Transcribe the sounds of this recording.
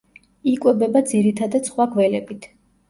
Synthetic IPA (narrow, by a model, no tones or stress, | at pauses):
ikʼwɛbɛbad̪ziɾit̪ʰad̪at̪sχwaɡʰvɛlɛbit̪ʰ